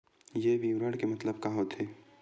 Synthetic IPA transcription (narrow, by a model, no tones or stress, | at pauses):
jebiwɾəɽkemɐt̪ləbkaɦot̪ʰeː